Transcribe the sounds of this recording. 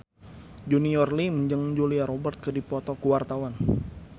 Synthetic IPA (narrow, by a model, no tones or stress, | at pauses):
d͡ʒuniɔrliməɲd͡ʒəŋd͡ʒuliaɾɔbərt̪̚kədipɔt̪ɔkuwart̪awan